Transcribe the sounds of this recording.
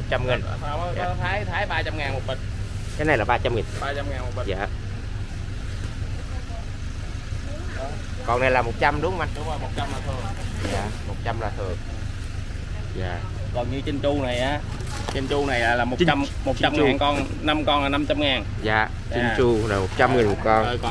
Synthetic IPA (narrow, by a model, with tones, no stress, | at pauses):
mo˨˩t͡ɕa˧mŋi˨˩nː˨˧˩t̪ʰaː˨˦jt̪ʰaː˨˦jɓaː˧t͡ɕa˧mŋaː˨˩nmo˨˩t̚ɓə˨˩kaː˨˦na˨˩jlaː˨˩ɓaː˧t͡ɕa˧mŋi˨˩nɓaː˧t͡ɕa˧mŋaː˨˩nmo˨˩t̚ɓə˨˩jaː˨˩˧ | kɔ˨˩na˨˩jlaː˨˩mo˨˩t̚t͡ɕa˧mɗʊ˨˦ŋ͡mma˧˩ɗə˧˩mo˨˩t̚t͡ɕa˧mlaː˨˩t̪ʰɨ˨˩əŋjaː˧˩mo˨˩t̚t͡ɕa˧mlaː˨˩t̪ʰɨ˨˩əŋ | zaː˨˩ | kɔ˨˩nɲɨ˧t͡ɕə˧nt͡ɕu˧na˨˩jʔaː˨˧˦ | t͡ɕə˧nt͡ɕu˧na˨˩jlaː˨˩laː˨˩mo˨˩t͡ɕi˧˦t͡ɕa˧mmo˨˩t̚t͡ɕa˧mː˧˨˩nkɔ˧n | na˧mkɔ˧naː˨˩na˧mt͡ɕa˧mŋaː˨˩n | zaː˨˩ | i˧nt͡ɕu˧laː˨˩mo˨˩t̚t͡ɕa˧mŋɨ˨˩nmu˨˩ə˩kkɔ˧n˧˨